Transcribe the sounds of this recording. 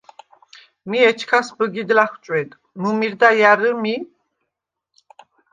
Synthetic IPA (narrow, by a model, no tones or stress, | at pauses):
miɛt͡ʃʰkʰasbəɡid̪laχt͡ʃʼwɛt̪ʼ | mumiɾd̪ajaɾəmi